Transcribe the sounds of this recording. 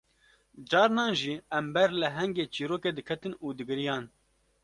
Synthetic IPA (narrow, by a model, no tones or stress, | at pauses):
d͡ʒɑːɾnɑːnʒiːɛmbɛɾlɨɦɛŋɡeːt͡ʃiːɾoːkeːd̪ɨkʰɛt̪ɨnuːd̪ɨɡɨɾijɑːn